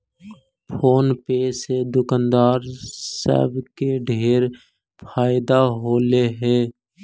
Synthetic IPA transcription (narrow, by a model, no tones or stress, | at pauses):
pʰoːnpeːsed̪ʊkand̪aːɾsə̰bkeɖʱeːɾ | pʰaːɪd̪aɦoːleɦɛ̃ː